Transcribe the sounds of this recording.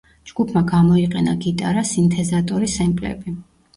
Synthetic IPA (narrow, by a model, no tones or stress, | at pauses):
d͡ʒɡ̥upʰmaɡamɔiqʼɛnaɡit̪ʼaɾasint̪ʰɛzat̪ʼɔɾisɛmpʼlɛ̰bi